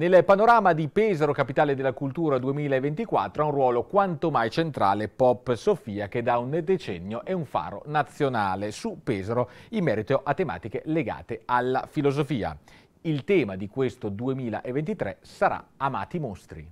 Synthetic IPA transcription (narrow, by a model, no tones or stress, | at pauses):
nelpanoɾaːmad̪ipɛːzeɾokapit̪aːled̪elːakult̪uːɾad̪uemiːlaevent̪ikwa̰t̪ːɾoaũrwɔːlokwant̪omajt͡ʃent̪ɾa̰ːlepɔpːsofiːak̟ed̪aund̪et͡ʃɛnːjoʔɛuɱfa̰ːɾo̰nat̪sːjonaːlesupɛːzeɾoimːɛːɾit̪oʔat̪ːema̰ːt̪ik̟eleɡa̰ːt̪ealːa̰filozofiːa̰ | ilt̪ɛːmad̪ikwest̪od̪uemiːla̰ʔevːent̪it̪ɾɛ̰saɾa̰ama̰ːt̪imost̪ɾḭ